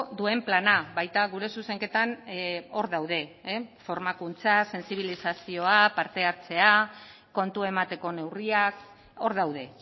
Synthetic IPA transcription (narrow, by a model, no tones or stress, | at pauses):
d̪ue̞mplanaβajt̪aɣuɾe̞suse̞ŋke̞t̪ano̞ɾðawð̞e̞fo̞ɾmakunt͡sase̞nsiβ̞ilisasio̞apaɾt̪e̞aɾt͡se̞a | ko̞nt̪ue̞mat̪e̞ko̞ne̞wriak | o̞ɾðawð̞e̞